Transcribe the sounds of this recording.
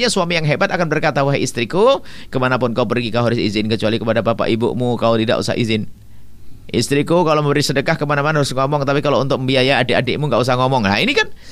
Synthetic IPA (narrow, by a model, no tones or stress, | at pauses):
ɲasuamijaŋɦebat̪akanbərkat̪awaɦajist̪ɾiku | kəmanapʊnkaupərɡikaɦoɾɪsizɪnkət͡ʃualikəpadapapa̰ʔibʊ̰ʔmukaut̪ida̰ʔṵsa̰hḭzɪn | ʔḭst̪ɾikukaloməbəɾisədəkahkəmanamanaɦaɾʊsŋɔmɔŋt̪apikalount̪ʊk̚məmbiajaːdeʔadeʔmuŋɡaʔus̬ahŋɔmɔŋla̰inikan